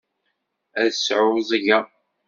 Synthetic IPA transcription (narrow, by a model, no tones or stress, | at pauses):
æðsʕʊzˤʝa